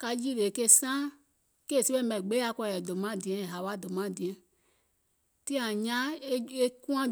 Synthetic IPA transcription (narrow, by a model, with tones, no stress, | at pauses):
ka˧ji˦le˨ke˦sã˦ | ke˦˨se˦ɓɛ̃˦mɛ̃˨ɡ͡be˦a˧kɔ˧˦˨ɛ˨dõ˨mã˦˨dĩ˨ɛ̃˨˦˨ɦa˨ɓa˦dõ˨mã˨˦˨dĩ˨ɛ̃˨˦ | tĩ˦ã˨ɲã˦e˦e˦kũ˦ã˦